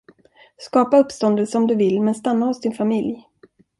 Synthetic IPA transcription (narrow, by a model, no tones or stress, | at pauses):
skɑːpaɵpːst̪ɔnd̪əlsəɔmd̪ɵvɪlːmɛnst̪anːahʊsd̪ɪnfamɪlj